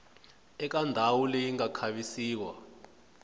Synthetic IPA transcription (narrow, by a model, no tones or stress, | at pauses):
ɛk̬andʱawulɛjiŋakʰaɓisiːk̬wa̰